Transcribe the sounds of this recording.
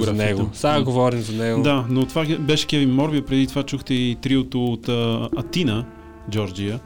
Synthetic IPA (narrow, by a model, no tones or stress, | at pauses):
anɛɡosaɡovɔɾimzɐnɛɡod̪anot̪ovabɛʃɛ̥kʲɛvimmːɔɾbiəpɾɛd̪it̪ovat͡ʃuxt̪ɛit̪ɾiʊt̪oːt̪ːɐt̪inə | d͡ʒɔɾd͡ʒijə